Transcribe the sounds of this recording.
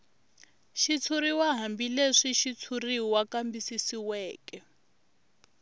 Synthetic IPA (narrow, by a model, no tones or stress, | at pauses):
ʃit͡sʰuɾiwaɦambileʂiʃit͡sʰuriwakambisisiwɛːkɛ